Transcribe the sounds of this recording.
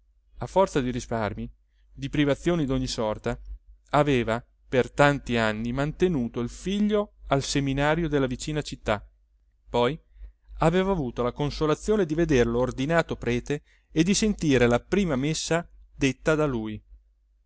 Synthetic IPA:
afːɔrt̪sad̪iɾisparmi | d̪ipɾivat̪sːjoːnid̪oɲːisɔrt̪aː | veːva | pert̪ant̪ianːimant̪enuːt̪oilfiʎːoalseminaːɾjod̪elːavit͡ʃiːnat͡ʃit̪ːa | pɔjaveːvaːvuːt̪olakonsolat̪sːjoːned̪ived̪eɾeloːrd̪inaːt̪opɾɛːt̪eː | d̪isent̪iːɾelapɾiːmamesːad̪et̪ːad̪aluːj

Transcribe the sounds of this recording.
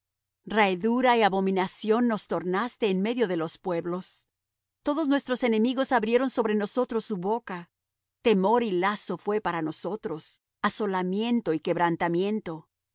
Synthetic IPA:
raeðuɾaiaβo̞mĩnasjo̞nːo̞st̪o̞ɾnast̪e̞ːnme̞ðjo̞ðe̞lo̞spwe̞βlo̞s | t̪o̞ðo̞znwe̞st̪ɾo̞se̞ne̞miɣo̞saβɾje̞ɾo̞nso̞βɾe̞no̞so̞t̪ɾo̞sːuβo̞ka | t̪e̞mo̞ɾilaso̞fwe̞paɾano̞so̞t̪ɾo̞s | aso̞lamje̞nt̪o̞ike̞βɾant̪amje̞nt̪o̞

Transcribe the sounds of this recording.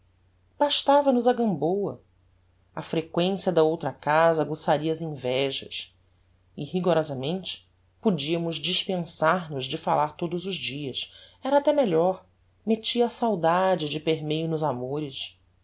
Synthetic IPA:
b̥aʃt̪avɐnʊzɐɡɐ̃mbowɐ̰ | ɐfɾekwẽsiɐd̪ɐowt̪ɾɐkazɐɡosaɾiɐːzĩvɛʒɐ̰s | ɪhiɡoɾɔzɐmẽnt͡ʃɪ̥ | pud͡ʒiɐmʊzd͡ʒiʃpẽsaɾnʊzd͡ʒɪfalaɾt̪od̪ʊzʊʒd͡ʒiɐsɛɾɐːt̪ɛmeɛʎɔɾ | met͡ʃiɐːsawd̪ad͡ʒɪd͡ʒɪpeɾmejʊnʊzamoɾɪs

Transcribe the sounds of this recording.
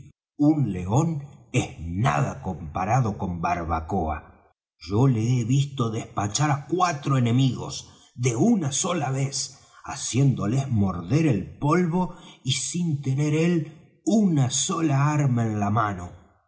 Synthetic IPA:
unleo̞nezna̰ðako̞mpaɾaðo̞ko̞mbaɾβa̰koa̰ | ʒoleeβist̪o̞ðespat͡ʃaɾakwat̪ɾoenẽ̞miɣo̰s | ðeunaso̞laβes | a̰sje̞nd̪o̞lezmo̞ɾðe̞ɾelpo̞lβo̞isint̪ene̞ɾel | unasolaaɾmaenlamano̞

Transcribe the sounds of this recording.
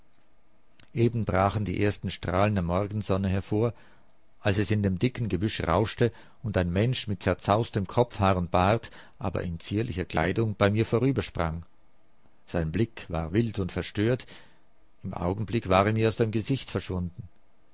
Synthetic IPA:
ʔeːbn̩bʁaːχn̩dḭːʔeːɐstn̩ʃtʁ̥aːləndəmɔɐɡn̩zɔnəɦɛɐfoːɐ | ʔalsɛsɪndeːmdɪkn̩ɡəbʏʃəʁaʊʃtə | ʊndaɪnmɛnʃmɪt̚t͡sɛɐt͡saʊstəmkʰɔp͡fhaːʁʊnt̚b̥aɐt | ʔa̰ːbɐ̰ʔɪnt͡siːɐlɪçɐklʔa̰ɪdʊŋb̥aɪmiːɐfoːʁyːbɐʃpʁ̥aŋ | z̥aɪnblɪkva̰ːɐvɪltʊntfɛɐʃtøːɐt | ɪmʔa̰ʊɡn̩blɪkv̥aːʁeːɐmiːɐaʊsd̥aːmɡəzɪçtfɛɐʃv̥ʊndn̩

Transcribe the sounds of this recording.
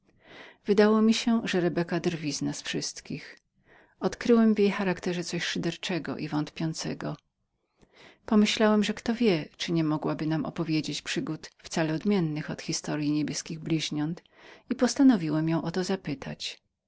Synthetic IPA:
vɘd̪awɔmʲiɕɛʐɛɾɛbɛkad̪ɾvʲiznasfʂɘst̪kʲix | ɔt̪kɾɘwɛmvʲjejxaɾakt̪ɛʐɛt̪sɔɕʂɨd̪ɛɾt͡ʂɛɡɔ̰ʔivɔnt̪pʲjɔnt̪sɛɡɔ | pɔmɘɕlawɛmʐɛkt̪ɔvʲjɛt͡ʂɘɲɛmɔɡwabɘnamʔɔ̰pɔvʲjed͡ʑet͡ɕpʂɘɡut̪ft̪salɛɔd̪mʲjɛnːɘxɔt̪xʲist̪ɔɾjiɲebʲjɛskʲiɣblʲiʑɲɔnt̪ | ipɔst̪anɔvʲiwɛmjɔ̃w̃ʔɔt̪ɔzapɘt̪ʰa̰t͡ɕ

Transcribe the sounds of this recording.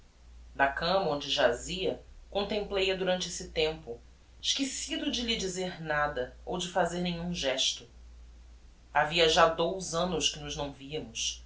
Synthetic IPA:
d̪ɐkɐ̃mɐõnd͡ʒɪʒaziɐkõnt̪ẽmplejɐd̪uɾɐ̃nt͡ʃɪesɪt̪ẽmpʊ | ɪʃkesid̪ʊd͡ʒɪlɪd͡ʒizeɾnad̪ɐowd͡ʒɪfazeɾnẽɲũʒɛʃt̪ʊ | aviɐʒad̪owzɐ̃nʊskɪnʊʒnɐ̃w̃viɐmʊs

